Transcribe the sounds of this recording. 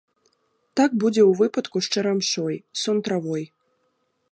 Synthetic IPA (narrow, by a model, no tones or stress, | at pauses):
t̪aɡbud͡zʲɛwvɨpɐt̪kuʂt͡ʂɛɾamʂɔjsɔnt̪ɾavɔj